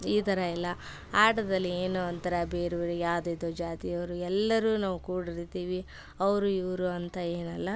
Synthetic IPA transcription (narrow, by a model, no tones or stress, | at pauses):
iːt̪ɐɾɐilːɐ | aːʈɐd̪ɐlːieːnuɐnt̪ɐɾɐbeːɾeʋuɾujaːd̪ed̪od͡ʒaːt̪ijɐʋɾuɛlːɐɾuːnaːʋukuːɽiɾit̪iːʋi | ɐʋɾuiʋɾuɐnt̪ɐeːnɐlːɐ